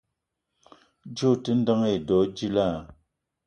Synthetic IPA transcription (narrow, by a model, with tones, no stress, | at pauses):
d͡ʒo˦˨tə˦n̩˦dɔ˦ŋe˨dɔ˨˦d͡ʒi˦la˦˨